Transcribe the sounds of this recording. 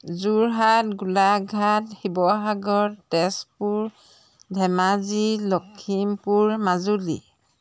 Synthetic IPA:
zuɹɦat̚ɡulaɡʱathibɔɦaɡɔɹtɛspuɹ | dʱɛmazilɔkʰːimpuɹmazulḭ

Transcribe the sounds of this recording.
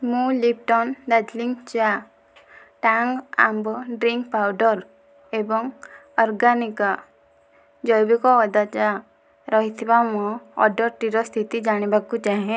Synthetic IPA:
mũlip̚ʈɔnd̪ad̪liŋɡt͡ʃa | ʈaŋɡã̰mbɖɾiŋkpawɖɔɾ | ebɔŋɔɾɡanika | d͡ʒɔjbikɔɔd̪at͡ʃa | ɾɔɦit̪ʰibamɔ̃ɔ̰ɖəɾʈiɾɔst̪ʰit̪id͡ʒañibakːut͡ʃaɦẽ

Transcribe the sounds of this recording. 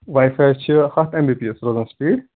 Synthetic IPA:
ʋaːjfajt͡ʃʰihɐt̪ʰembipiesɾoːzənspiːɽ

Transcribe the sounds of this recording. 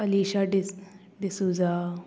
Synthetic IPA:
ɐliːʃa | ɖisuːzaː

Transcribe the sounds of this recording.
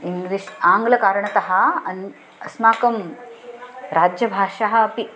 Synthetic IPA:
iŋɡliʃaːŋɡlɐkaːɾɐɳɐt̪ɐɦɐ̆ɐn | ɐsmaːkɐm | ɾaːd͡ʒjɐbʱaːʂaɦɐ̆ɐpi

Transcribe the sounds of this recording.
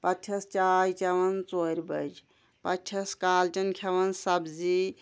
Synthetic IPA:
pɐt͡ʃʰɐst͡ʃaɾit͡ʃɐʋɐnt͡soɾbəd͡ʒ | pɐt͡ʃʰɐskaːlt͡ʃɐnkʰɐʋɐnsɐbzi

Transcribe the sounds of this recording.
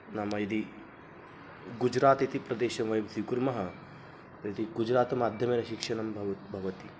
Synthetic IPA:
nɐmɐid̪i | ɡud͡ʒɾaːt̪it̪ipɾɐd̪eːʃɐmʋɐjbsikuɾmɐɦɐ | t̪ɐit̪iɡud͡ʒɾaːt̪ɐmaːd̪ʱjɐmeːɾɐʃikʂɐɳɐmbʱɐʋɐt̪bʱɐʋɐt̪i

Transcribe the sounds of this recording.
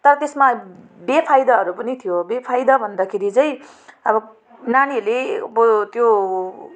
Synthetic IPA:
t̪ʌɾʌt̪esma | bepʰajd̪ʌɦʌɾupʌnit̪ʰijobepʰajd̪ʌbʱʌnd̪akʰeɾit͡sʌj̃ | ʌbʌ | nanilebot̪jo

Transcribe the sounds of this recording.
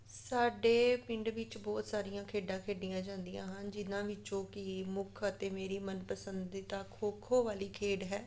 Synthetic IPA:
saːɖeːpɪɳɖʋɪt͡ʃbɔːt̪saːɾijãːkʰeːɖãːkʰeːɖɪjãːd͡ʒãːnd̪ijã̰ːɦənd͡ʒɪnãːʋɪt͡ʃõːkɪmʊkʰət̪eːmeːɾiːmənpəsənd̪iːt̪aːkʰoːkʰoːʋaːliːkʰeːɖɦɛː

